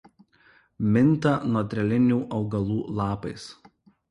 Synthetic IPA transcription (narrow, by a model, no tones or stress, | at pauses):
mʲɪnˑt̪ɐnɔt̪ʲɾʲɛlʲɪnʲuːʔɒʊɡɐlˠuːlˠɑːpɐɪs